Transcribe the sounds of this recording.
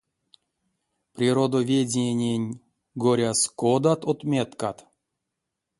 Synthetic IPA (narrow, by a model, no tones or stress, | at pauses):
prʲiɾod̪ovʲedʲenʲenʲ | ɡoɾʲaskod̪at̪ot̪mʲet̪kat̪